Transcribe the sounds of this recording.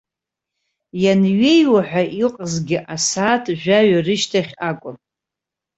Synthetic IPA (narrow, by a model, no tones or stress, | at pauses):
janɥejwaħʷᶣaʔiqʼəzɡʲɪʔasaːtʰʼʒᶣʷaɥarɨʃtʰaχʲakʷʼʊn